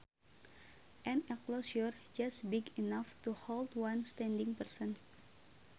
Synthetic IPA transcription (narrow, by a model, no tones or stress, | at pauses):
ʔɛ̃nɛklosɔrd͡ʒasbiɡinaftuholdwãnst̪ɛ̃ndiŋpərsən